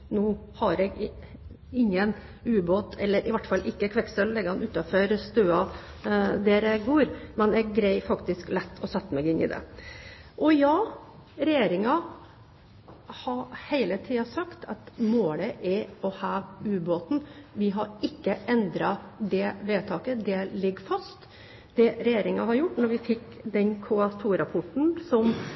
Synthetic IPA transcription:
nuːhɑɾɛɡ | ɪŋːən | ʉːboːt̪ʰɛlːəɾʔɪʋæʈːfɑlːʔɪkːəkʰʋɛksəllɛɡːəhɑnʉːt̪ɑføɾst̪øːɑ | d̪ɛːɾɛɡoːɾmɛnɛɡ̚ːɾæɪfɑkt̪ɪsklɛt̪ʰːɔsɛt̪ːəmɛɡɪnːɪ̰d̪ɛ̰ | ʔɔjɑː | ɾɛjeːɾɪŋɑ | hɑɾhæɪlət̪ʰiːɑsɑkt̪ʰɑt̪moːləʔɛɔhɑːʋʉːboːt̪n̩ʋɪɦɑɾɪkːəʔɛnd̪ɾɑd̪ɛʋeːt̪ʰɑːkəd̪ɛlɪɡːfɑst̪ | d̪ɛɾɛjeːɾɪŋɑhɑɾjʊʈːnɔɾʋɪfɪkː | d̪ɛnkʰuɑt̪ʰuːɾɑpʰʊʈɳ̩sɔm

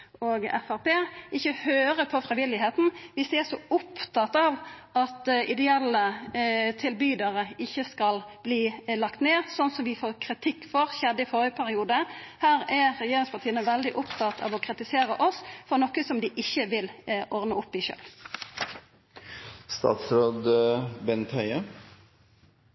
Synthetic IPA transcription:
oːɡɛ̰fæʁpeːɪçːəhøːɾəpʰɔfʁɪʋɪlɪheːt̪n̩ʋɪsd̪ɛæsɔʊpt̪ɑt̪ɑːʋɑt̪ɪd̪ɛɛlːət̪ʰɪlbyːd̪ɑʁəɪçːəskɑlb̥liːlɑkt̪neːsɔnsɔmʋɪfoːʁkʰʁɪt̪ʰɪkːfɔʁçɛd̪ɪfoːɾəpʰæɾɪuːd̪əhæːɾɛʁɛjeːɾɪŋspʰɑtʰiːənəʋɛld̪ɪʔʊpt̪ʰɑt̪ʰɑ̰ʋɔkʰʁɪt̪ɪseːɾəʔɔsfɔʁnɔkəsɔmd̪ɪʔɪçːəʋɪlʔɔʁdnəʊpːɪʃø̰ːl | st̪ɑ̰ːt̪sɾoːd̪bɛnt̪hœʏə

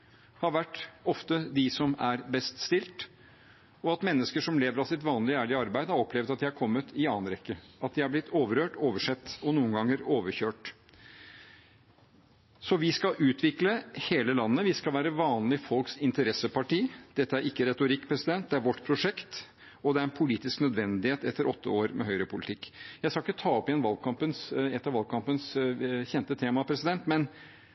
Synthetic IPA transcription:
hɑɾʋæʈːɔft̪əd̪ɪsɔmæɾbɛst̪st̪ɪlt̪ | ɔɑt̪mɛnːəskəʂɔmleːʋəɾɑsɪt̪ʋɑːnlɪæːɭɪəɑɾbæɪd̪əhɑɾɔpʰlɛʋd̪ɑt̪d̪ɪhɑɾkʰɔmːət̪ɪɑːnɾɛkːəɑt̪̚d̪ɪhɑɾblɪt̪ʰːoːʋəɾøːʈoːʋəʂɛt̪ːɔnuːənɡɑŋːəɾoːʋəçøːʈ | sɔʋɪskɑʔʉːt̪ʰʋɪkləheːləlɑnːəʋɪskɑlʋæːɾəʋɑːnlɪfɔlksɪnt̪əɾɛsəpɑʈiːd̪̥ɛt̪ːəæɾʔɪkːəɾɛt̪ʊɾɪkːpʰɾɛsɪd̪ɛnt̪̚d̪ɛæɾʋɔʈːpʰɾʊʂɛkt̪ | ɔd̪ɛæɾɛnpʰʊliːt̪ɪsknœd̪ʋɛnd̪ɪheːt̪ɛt̪ːəɾɔt̪ːəoːɾmʔɛ̰ɦœʏɾəpʰʊlɪt̪ʰɪkːjæɪskɑɪkːət̪ʰɑːɔpɪɛnʋɑlɡkʰɑmpənsɛt̪ːɑʋɑlɡ̚kʰɑmpənsçɛnt̪ət̪ʰeːmɑpʰɾɛsɪd̪ɛnt̪mɛn

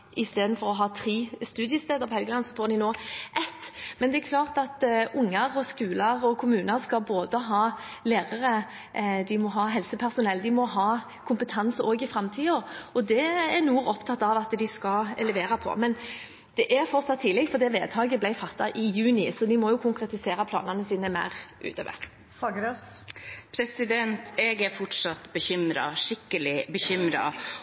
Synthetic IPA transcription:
ʔɪst̪eːd̪n̩fɔɾɔɦɑːt̪ʰʁiːst̪ʉːd̪ɪjəst̪eːd̪əɾpɔhɛlɡəlɑnsɔfoːɾd̪ɪnoːʔɛt̪ːmɛnd̪ɛækʰlɑːʁt̪ɑt̪ʊŋːəɾɔskʉːləʁɔkʰʊmʉːnəɾskɑlboːd̪əɦɑː | leːʁəʁə | d̪ɪmɔɦɑːɦɛlsəpʰæʁsʊnɛlːd̪ɪmɔɦɑː | kʰʊmpət̪ʰɑnsoːɡɪfɾɛmt̪ʰiːɔɔd̪ɛæɾnuːɾɔpt̪ʰɑt̪ːɑʋɑt̪d̪ɪskɑɛlɛʋeːɾɑpʰɔ̰mɛn | d̪̥ɛʔæɾfɔɾt̪sɑt̪ʰːiːlɛɡfɔd̪ɛʋeːd̪hʰɑːɡəblæɪfɑt̪ːɑʔɪjʉːnɪsɔd̪ɪmɔjʊkʰʊŋkɾɛt̪ɪseːɾɑpʰlɑ̰ːnɑnəsiːnəmæ̰ʁʔʉ̰ːt̪ø̰ːʋə̰ɾ | fɑːɡəɾøspʰɾɛsɪd̪ɛnt̪ɛɡæɾfɔʈʂɑt̪bəçʏmɾɑ̰ʂɪkːəlɪbəçʏmɾɑ̰

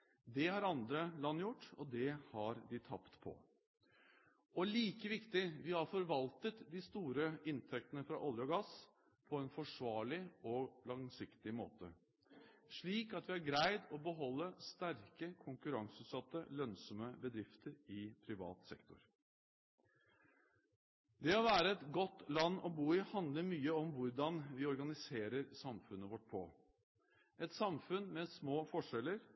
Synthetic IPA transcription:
d̪ɛhɑɾɑnd̪ɾəlɑnːjʊʈːɔd̪ɛhɑɾd̪ɪt̪ʰɑ̰pt̪pʰɔ̰ | ɔliːkəʋɪkt̪ɪʋɪhɑɾfɔɾʋɑlt̪ət̪d̪ɪst̪uːɾəɪnt̪ʰɛk̚t̪ənəfɾɑ̰ʔɔljəɔɡɑs | pʰɔɛnfɔʂʋɑːɭɪɔlɑŋsɪkt̪ɪmo̰ːt̪ə | ʂɭiːkɑt̪ʋɪæɾɡɾæɪd̪ɔbəɦɔlːəst̪æɾkəkʰʊŋkʉɾɑŋsʉːsɑt̪ːəlœnsɔməbəd̪ɾɪft̪ʰəɾɪpʰɾɪʋɑ̰ːt̪sɛ̰kt̪ʰʊ̰ɾ | d̪ɛɔʋæːɾəɛt̪ɡɔt̪ːlɑnːɔbuːɪhɑnd̪ləɾmyːəɔmʋʊɾɖɑnʋɪɔɾɡɑnɪseːɾəɾsɑmfʉnːəʋɔʈ̚ːpʰɔ | ɛt̪sɑmfʉnmɛsmoːfɔʂɛlːəɾ

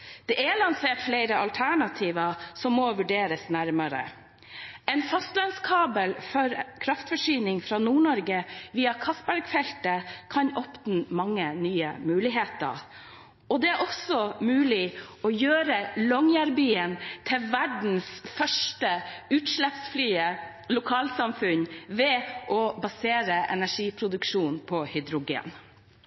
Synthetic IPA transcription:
d̪̥ɛʔɛlɑnseːʈfleɪɾəʔɑlt̪ʰæɳɑt̪ʰiːʋɑsɔmːɔʋʉɖeːɾəsnæɾməɾə̰ | ɛnfɑst̪lɑnskʰɑːbəlfɔɾkʰɾɑft̪fɔʂyːnɪŋfɾɑːnuːɳɔɾɡəʋiːɑkʰɑstbæɾɡfɛlt̪əkʰɑnɔpt̪n̩mɑŋːənyːə̰mʉːlɪɦeːt̪ə̰ | ɔd̪ɛæɾʔɔsɔmʉːlɪɔjøːɾəlɔŋjæɾbyːənt̪ʰɪlʋæɖɳ̩sfœʂʈəʉːt̪ʂlɛpsflyːə | lʊkʰɑːlsɑmfʉnʋɛʔɔbɑseːɾəʔɛnæʂiːpʰɾʊd̪ʉkʂuːnpʰɔhʏd̪ɾʊɡḛːn

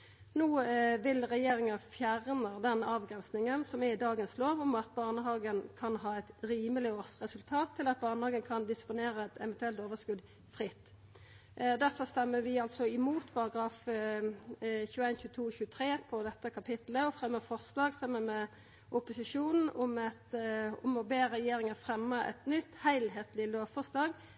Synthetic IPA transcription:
nuːʋɪlʁɛjeːʁɪŋɑfjæʁnəd̪ɛnɑːʋɡʁɛnsnɪŋənsɔmɛɾɪd̪ɑːɡənsloːʋɔmɑt̪̚bɑʁnəɦɑːɡənkʰɑnhɑːɛt̪ɾiːməlɪoːʁsʁɛsʉlt̪ʰɑːt̪ʰːɪlɑt̪̚bɑʁnəhɑːɡənkʰɑnd̪ɪspʊneːɾəɛt̪ɛʋɛnt̪ʉɛlt̪oːʋəskʉd̪ | fʁɪt̪ː | d̪æʁfɔʁst̪ɛmːəʋɪɑlsɔɪmuːt̪pʰɑʁɑɡɾɑːf | çʉːæɪnçʉːt̪ʰuːçʉːət̪ʰʁeːpʰɔd̪ɛt̪ːəkʰɑpʰɪt̪ləɔfʁɛmːəfɔʁslɑːɡsɛmːənmɛ | ʔʊpʊsɪʂuːnn̩ʊmɛt̪ɔmɔbeːʁɛjeːɾɪŋəfʁɛmːəɛ̰t̪nʏt̪ːhæɪlɦeːt̪lɪløːʋfɔʁslɑːɡ

